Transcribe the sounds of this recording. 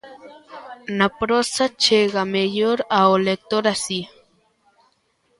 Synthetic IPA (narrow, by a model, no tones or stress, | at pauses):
napɾosat͡ʃeɣamejoɾaolek̚t̪oɾasi